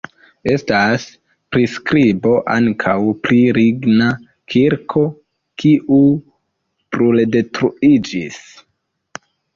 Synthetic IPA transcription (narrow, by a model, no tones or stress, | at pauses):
e̞stas | pɾiskɾibo̞ʔaŋkʰawpliɾiɡna | kʰiɾkʰo̞ | kʰiʔu | pɾulede̞tɾuid͡ʒis